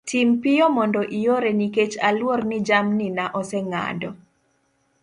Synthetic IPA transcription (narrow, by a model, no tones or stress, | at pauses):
tʰimpɪjɔmɔndɔʔijoɾeniket͡ʃalwornɪd͡ʒamninaʔɔsɛŋa̰dɔ